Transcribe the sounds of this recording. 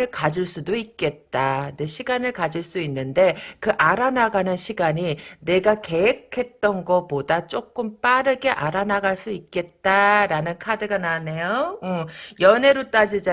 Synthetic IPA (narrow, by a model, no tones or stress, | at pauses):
ɯɭkad͡ʑuɭs͈udoik̚k͈e̞t̚t͈ane̞ɕʰiɡanɯɭkad͡ʑiɭs͈uinːɯnde̞kɯʔaɾanaɡanɯnɕʰiɡaɲine̞ɡake̞ekʰe̞t̚t͈ʌnɡʌpodat͡ɕ͈ok͈ɯmp͈aɾɯɡe̞ʔaɾanaɡaɭs͈uik̚k͈e̞t̚t͈aɾanɯnkʰadɯɡanane̞joɯjʌne̞ɾot͈ad͡ʑid͡ʑa